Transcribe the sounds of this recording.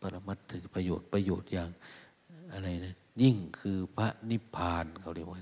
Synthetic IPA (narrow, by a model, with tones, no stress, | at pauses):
pa˧la˧ma˧˥t̪ʰːɯ˧pa˧joː˨˩t̪̚pa˧joː˨˩t̪̚jaː˧˩ŋ | ʔa˧ɾa˧˨jna˧n | ɲi˧˩ŋkʰɯː˧pʰa˧ʔni˦˧˥pʰaː˧nkʰa˧˩wli˧˩waː˧